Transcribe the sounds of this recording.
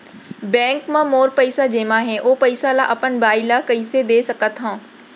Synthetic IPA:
bɛ̃ːŋkmãmoːɾpɐɪsad͡ʒeːmãɦɛ̃ʔoːpɐɪsalaʔɐpənbaːɪlakɐised̪eːsɐkət̪ɦãː

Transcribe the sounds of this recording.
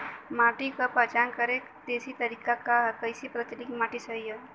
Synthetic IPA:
maːʈikapɐt͡ʃankəɾek | d̪eːsit̪ɐɾiːkakakəjsipɾɐt̪ilikimaʈisəija

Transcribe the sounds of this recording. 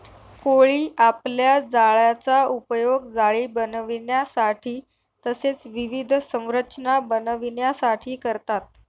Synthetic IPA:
koɭiːʔapljad͡zaɭjat͡saupjoɡd͡zaɭiːbənʋinjasaʈʰiː | t̪əset͡sʋiʋid̪ʱsə̃w̃ɾət͡ɕnabənʋinjasaʈʰiːkəɾt̪at̪̚

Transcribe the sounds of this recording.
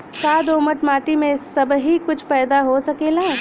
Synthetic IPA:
kaːd̪oːməʈmaːʈimẽsɐbɦikʊt͡ʃʰpɛːd̪aɦosɐkeːla

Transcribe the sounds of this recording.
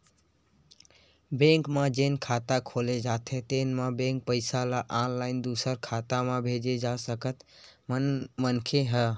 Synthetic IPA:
bẽŋkmãd͡ʒenkʰat̪akʰoled͡ʒat̪ʰet̪enmãbẽŋk̚pəɪsalaʔanlaɪnd̪usəɾkʰat̪amãbʱed͡ʒed͡ʒasəkət̪mmənkʰeɦə

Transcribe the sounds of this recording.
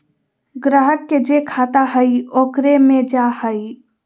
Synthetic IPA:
ɡɾaːɦəkːed͡ʒekʰaːt̪aɦəioːkɾemẽd͡ʒahəi

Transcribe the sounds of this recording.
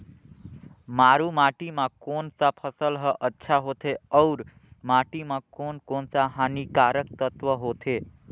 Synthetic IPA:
maɾumaʈimãkonsãpʰəsəlɦəʔətːʃʰaɦot̪ʰeəwɾ | maʈimãkonkonsaɦanikaɾəkt̪ət̪ʋəɦot̪ʰe

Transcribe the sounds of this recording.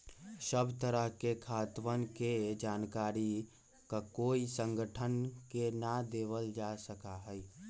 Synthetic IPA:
səbt̪əɾəɦkekʰaːt̪ʋənked͡ʒaːnkaːɾi | kakoːisə̃ŋɡʱəʈʰənkenad̪eːʋəld͡ʒaːsəkaɦɛi

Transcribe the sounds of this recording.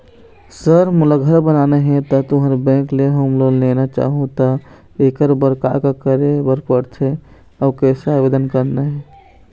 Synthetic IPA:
səɾmuləɡʱəɾbənaneɦɛ̃t̪ɔt̪oɦəɾbɛ̃kleɦəmloɡnenat͡ʃa̰ɦũt̪ɔ | ekəɾbəɾka̰kakəɾebəɾpəɽt͡ʃʰɛ | aʊkɛseabed̪ənkəɾnɛɦɛ

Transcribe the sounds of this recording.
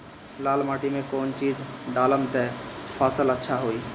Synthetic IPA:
slaːlmaːʈimẽkɔːnt͡ʃiːzɖaːləmt̪ɛpʰaːsələtːʃʰaɦoːiː

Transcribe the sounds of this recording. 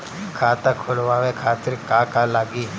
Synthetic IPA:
kʰaːt̪akʰolʋaːʋekʰaːt̪ɪɾkaːkaːlaːɡiː

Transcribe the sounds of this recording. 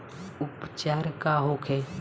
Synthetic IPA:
ʊpt͡ʃaːɾkaɦokʰɛ

